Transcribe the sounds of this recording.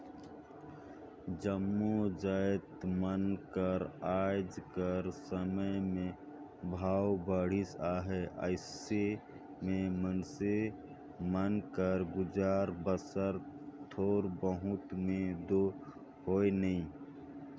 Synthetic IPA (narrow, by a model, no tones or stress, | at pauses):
d͡ʒəmːud͡ʒaːt̪mənkəɾaːd͡ʒkəɾsəməjmẽ | bʱaːwbəɽ̤isaːɦɛʔə̰ɪse | mẽmənse | mənkəɾɡʊd͡ʒaːɾbəsəɾt̪ʰoːɾbəɦʊt̪mẽd̪o | koːjnəĩ